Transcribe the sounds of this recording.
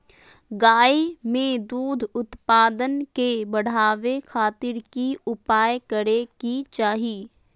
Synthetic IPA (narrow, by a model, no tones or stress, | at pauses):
ɡaːimẽd̪uːd̪ʱʊt̪paːd̪ənkebəɽ̤aːʋekʰaːt̪ɪɾkiʊpaːjkəɾekit͡ʃaːɦi